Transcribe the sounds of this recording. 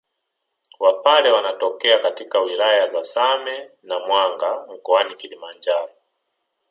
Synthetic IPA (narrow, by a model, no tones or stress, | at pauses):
wapalɛwanatɔkɛakatikawilajazasamɛnamwaŋɡam̩kɔanikilimand͡ʒaɾɔ